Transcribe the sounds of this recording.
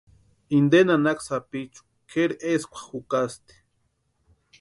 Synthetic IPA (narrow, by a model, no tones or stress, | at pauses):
ind̪enanaksapit͡ʃu̥ | kʰeɾeskʷḁxukast̪e̥